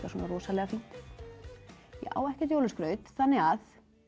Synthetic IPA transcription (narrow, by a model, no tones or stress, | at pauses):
kasɔːnarɔːsalɛːɣafint̪ | jɛ̰ʔa̰ːwɛhcɛt̪jowlʏskɾœːɥt̪θanːɪɣað